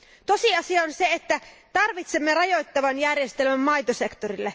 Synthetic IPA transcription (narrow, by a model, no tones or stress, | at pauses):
t̪o̞siɑsiɑonseet̪ːæt̪ɑrʋit̪semːerɑjo̞jt̪ːɑʋɑnjærjest̪elmæmːɑjt̪ose̞kt̪orilːe